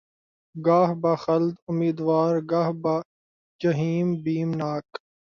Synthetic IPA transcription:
ɡaːɦbaxɐld̪ʊmiːd̪ʋaːɾɡaːɦba | d͡ʒɐɦiːmbiːmnaːk

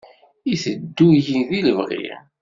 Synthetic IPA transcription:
iθəd̪ːujinðiləvʁḭ

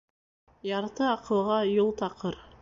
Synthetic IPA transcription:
jɑɾt̪əɑqʰɤ̆lˠʁɑjolˠt̪ʰɑqɤɾ

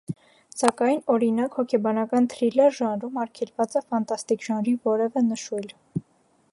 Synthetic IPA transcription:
sɑkɑjnɔɾinɑkhɔkʰɛbɑnɑkɑnt̪ʰɾilɛɾʒɑnɾumɑɾkʰɛlvɑt͡sɑfɑnt̪ɑst̪ikʒ̥ɑnɾivɔɾɛvɛnəʃujl

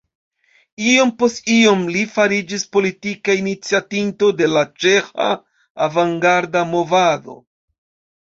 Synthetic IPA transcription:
io̞mpo̞stio̞mlifaɾid͡ʒispo̞litikainit͡siatinto̞de̞lat͡ʃe̞xa̰ː | vaŋɡaɾdamo̞vado̞̰

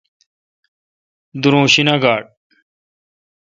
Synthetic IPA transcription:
d̪uɾõːɕinaɡaːɽ̚

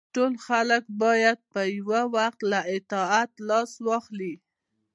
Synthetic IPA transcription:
ʈolxalək̚bɑjad̪̚pəjwawaxt̪laʔɪt̪ɑat̪lɑswɑxli

